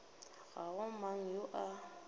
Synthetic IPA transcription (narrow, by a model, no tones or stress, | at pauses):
ɣaɣɔmaŋ̩jʊʔa